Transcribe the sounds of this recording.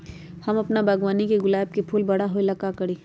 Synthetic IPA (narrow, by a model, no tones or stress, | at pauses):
hɐmɐpnabaːɡwaːnikeɡʊlaːb̚kepʰuːlbɐɽaɦoːilɐkakɐɽiː